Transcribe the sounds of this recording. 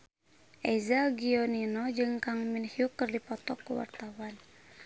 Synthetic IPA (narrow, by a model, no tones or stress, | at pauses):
ʔɛzaɡiɔninɔd͡ʒɨŋkaŋminhiukɨrdipɔt̪ɔkːuwa̰rt̪awan